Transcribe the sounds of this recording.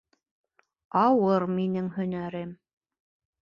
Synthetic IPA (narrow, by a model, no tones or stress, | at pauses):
ɑwɤɾminɘŋhɵ̆næɾɘm